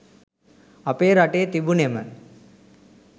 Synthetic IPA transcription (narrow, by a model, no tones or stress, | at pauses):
ɐpeɾaʈet̪ibunemən